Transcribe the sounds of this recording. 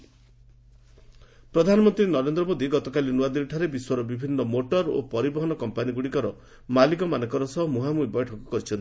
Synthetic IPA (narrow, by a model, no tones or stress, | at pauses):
pɾɔd̪ʱanɔmɔnt̪ɾinɔɾend̪ɾɔmod̪iɡɔt̪ɔkalinuad̪iɾʈʰaɾebiswɔɾɔbibʱinːɔmoʈɔɾo̰pɔɾibɔɦɔnɔkɔmpaniɡuɽikɔɾɔ | malikɔmanɔkɔɾɔsɔɦmuɦamubɔjʈʰɔkɔkɔɾit͡ʃʰɔn